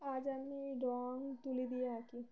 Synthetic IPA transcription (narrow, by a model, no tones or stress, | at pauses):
ad͡ʒamniɖɔŋt̪ulid̪ijaaki